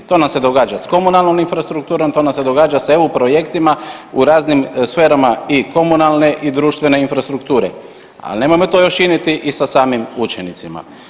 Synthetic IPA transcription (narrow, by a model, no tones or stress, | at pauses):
t̪o̞ːnamse̞d̪o̞ɡaːd͡ʒasko̞munalˠno̞minfɾast̪ɾuk̚t̪uːɾo̞mt̪o̞namsed̪o̞ɡaːd͡ʒaseupɾo̞je̞kt̪imauɾaːznimsfe̞ːɾamaiko̞munalne̞ʔid̪ɾuːʃt̪ʋe̞ne̞infɾast̪ɾukt̪uːɾḛ | a̰lne̞mojmo̞t̪o̞ːjo̞ʃt͡ʃinjet̪iʔisasaːmimut͡ʃenit̪sima̰